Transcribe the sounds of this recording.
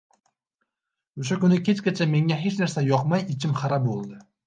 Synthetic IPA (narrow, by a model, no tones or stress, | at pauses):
oʃ̬akʊnɪkʲʰe̞t͡ʃkʲat͡ʃʰame̞ŋʲaɦe̞t͡ʃnaɾsajɒqmajɪt͡ʃʰɪmχaɾabolˠd̪ɪ